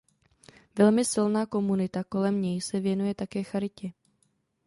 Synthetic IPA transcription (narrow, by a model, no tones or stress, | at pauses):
vɛlmɪsɪlnaːko̞munɪt̪ako̞lɛmɲɛjsɛvjɛnujɛt̪akɛːxaɾɪcɛ